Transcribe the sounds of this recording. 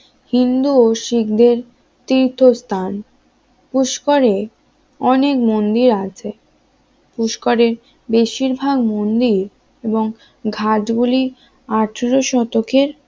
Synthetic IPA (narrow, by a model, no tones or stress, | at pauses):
hind̪uoʃikd̪eɾ | t̪iɾt̪ʰːost̪ʰan | puʃkoɾe | ɔnekmond̪iɾat͡ɕʰe | puʃkoɾeɾ | beʃiɾbʱaɡmond̪iɾ | eboŋ | ɡʱad͡ʑɡuli | aʈʰeɾoʃɔt̪okʰeɾ